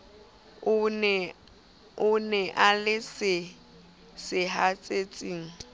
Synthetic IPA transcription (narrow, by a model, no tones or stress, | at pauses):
ʊn | ʊnɛʔalɪsɪ | sɪɦat͡sʼet͡sʼiːŋ̩